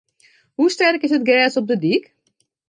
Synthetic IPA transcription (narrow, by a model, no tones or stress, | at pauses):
ɦustɛrkɪsət̚ɡɛːsɔp̚dədik